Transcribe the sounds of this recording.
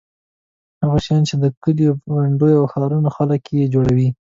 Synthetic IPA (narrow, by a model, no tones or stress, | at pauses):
haɣaʃjɑnt͡ʃed̪əkəliwaɳɖojawxɑɾunoxaləkjed͡ʒoɽawi